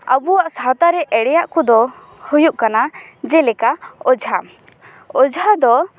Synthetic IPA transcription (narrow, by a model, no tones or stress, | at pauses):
ə̰buwaʔsat̪aɾɛʔɛɽɛjaʔkɔd̪ɔ | hujuʔkanad͡ʒɛlɛkaɔd͡ʒʱa | ɔd͡ʒʱad̪ɔ